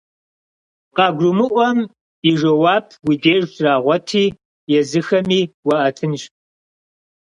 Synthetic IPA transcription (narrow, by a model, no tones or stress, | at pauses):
qɑːɡʷʊmɨʔʷɔm | iʒɐwaːp̚ʰɡʷideːʒtraːʁʷɔtʰiː | jɛzɨxɐmiːwɐʔɐtʰɨnʃ